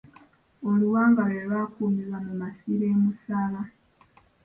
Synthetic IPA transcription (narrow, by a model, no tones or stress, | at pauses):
oluwaːŋɡaweβaːkuːmiβwamumasiɾe̞ːmusala